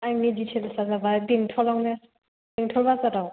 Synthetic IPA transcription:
ajmiditʰelsazabajbiŋtʰɔlawne | biŋtʰɔlbazadaw

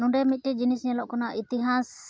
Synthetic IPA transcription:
nũɖɛmit̪̚ʈɛd͡ʒinisɲɛlɔʔkɔnaʔit̪iɦas

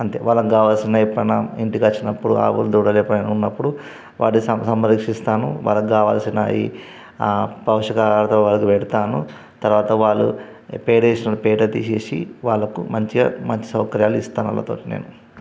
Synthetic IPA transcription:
ɐnt̪eːʋaːlɐkɡaːʋaːlɐsinɐipːɐnɐiɳʈikɐt͡ʃːinɐpːuɽua̰ːʋṵld̪uːɽɐlɛːpɐnnunːɐpːuɽu | ʋa̰ːʈːiɐsɐmɐɾikʂist̪aːnṵʋa̰ːlːɐkiɡaːʋa̰ːlɐsinɐ̰iː | pɐwʂɐkaɾɐt̪ɐlʋaːlɐkiʋɛɽut̪aːnu | t̪ɐɾʋaːt̪ɐʋaːɭːṵ | pɛːʈeːsinɐɽupɛːɖɐt̪iːʃeːsḭʋaːɭːɐkumɐɲt͡ʃimɐɲt͡ʃi̥sɐwkɐɾjaːluist̪aːnɐ̰lːɐ̰t̪o̞ːʈine̞̰ːnu

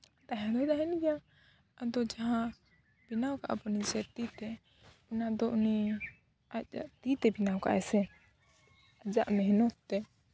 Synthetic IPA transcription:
t̪aɦɛ̃d̪ɔd̪aɦɛnɡja | ad̪ɔd͡ʒaɦã | binawkaʔa̰bɔnisɛt̪it̪ɛ | unad̪ɔʔuni | aa̰ʔt̪it̪ɛbinawka̰ʔɛsɛ | ad͡ʒaʔmɛɦnɔt̪ːɛ

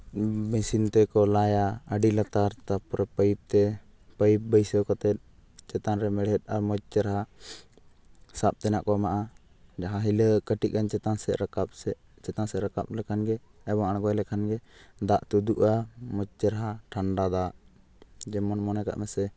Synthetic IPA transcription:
bisint̪ɛkɔlajaəɖilat̪aɾt̪apɔɾɛpəjp̚t̪ɛ | pəjp̚bəjsəwkat̪ɛt̪̚ | t͡ʃɛt̪anɾɛmɛɽɛt̪̚aɾmɔd͡ʒt͡ʃəɾaɦa | sap̚t̪ɛnaʔkɔmaʔa | d͡ʒaɦaɦiləkəʈiʔ̚kant͡ʃɛt̪ansɛʔɾakap̚ɛ | t͡ʃɛt̪ansɛɾaka̰p̚lɛkʰanɡɛ | ɛbɔŋaɽɡɔjlɛkʰanɡɛd̪aʔt̪ud̪uʔamɔt͡ʃt͡ʃəɾaɦaʈʰaɳɖad̪aʔ | d͡ʒɛmɔnmɔnɛka̰ʔmɛsɛ

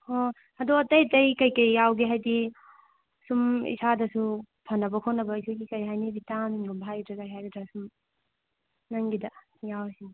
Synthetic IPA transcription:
o | ɐdoɐtɐjtɐjkɐjkɐjːawɡiɦajdi | sumḭsadɐsu | pʰɐnːɐbɐkʰonːɐbɐisʰaɡikɐjɦajnibitamiŋɡubʱajdɾɐkajɦajɡidɾasum | nɐŋɡidɐ | jawsi

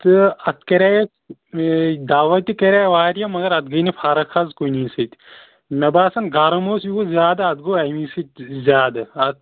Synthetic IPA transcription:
t̪ɨɐt̪ʰkɐɾʲaj | d̪aːʋɐt̪ikɐɾaːjʋaːɾijamɐɡɐɾɐt̪̚ɡɐnipʰaːɾɐkʰɐzkoiniːsɐt̪ | mɐbaːsɐnɡaːɾɐmoːsjiozjaːd̪aːt̪̚ɡoːɐjmisɐt̪zʲjaːd̪aɐt̪̚

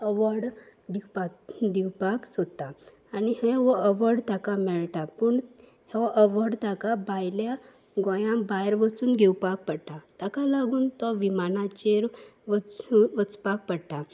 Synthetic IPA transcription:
əʋəɾɽd̪ipak̚d̪iwpaksot̪aː | niɦẽʋɔəʋəɾɖt̪akamɛɭt̪apəɳ | heʋʔəʋəɾɖt̪akabajlja | ɡɔ̃jãbajɾʋət͡suːnɡʱewpak̚pəɽt̪at̪akalaɡuːnt̪ɔʋimanãt͡ɕeɾʋət͡suʋət͡spak̚pəɽt̪a

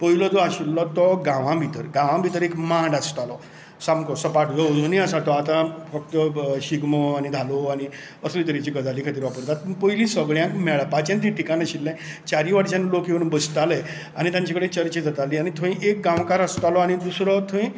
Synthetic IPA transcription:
pəilɔd͡zɔaɕilːɔt̪ɔɡãʋãbʱit̪əɾɡãʋãbʱit̪əɾekmãɳɖast̪alɔ | samkɔsəpaʈd͡zɔd͡zunĩəsat̪ɔat̪ãfək̚t̪əɕiɡmɔañid̪ʱaloañi | əslit̪əɾit͡ɕikəd͡zalikʰat̪iːɾʋapəɾt̪at̪pəilĩsəɡɭjãŋkmɛɭpat͡ɕãnt̪ʰĩʈʰikanãɕilːɛ̃ | t͡ɕaɾiʋaɽt͡ɕãnlokɦeunbəst̪ale | añit̪jãɲt͡ɕakəɽet͡ɕəɾt͡ɕed͡zat̪aliañit̪ʰõĩʔek̚ɡãʋkaɾast̪alɔañid̪usɾɔt̪ʰõĩ

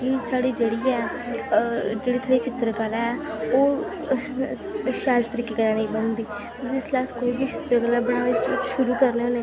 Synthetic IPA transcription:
kisaːɽiːd͡ʒeːɽiːɛː | d͡ʒeːɽiːsaːɽiːt͡ʃɪt̪ɾəkəlɛːoː | ʃaːlt̪əɾiːkeːkəɾaːneĩːbənd̪iː | d͡ʒɪslaːskoːiːbiːt͡ʃɪt̪ɾəkəlɛːbəɽ̃aːʋɪt͡ʃʃʊɾuːkəɾneːɦoːneː

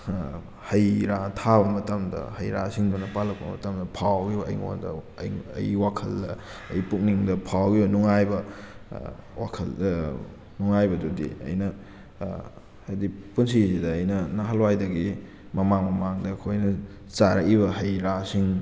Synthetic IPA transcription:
hɐjɾatʰabɐmɐtɐmdɐ̰hɐjɾa̰siŋdunɐpalɐk̚pɐ̰mɐ̰tɐmdɐpʰawɡiɐ̰jŋo̰ndɐ̰ | jɐ̰jwakʰɐldɐɐ̰jpuk̚niŋdɐpʰawɡionuŋajbɐ | wakʰɐl | nuŋajbɐdudḭɐ̰jnɐ | hajdipunsisidɐːjnɐnaɦalwajdɐɡi | mɐmaŋmɐmaŋdɐːkʰojnɐ | t͡ʃaɾɐ̰kiβɐɦɐjɾasiŋ

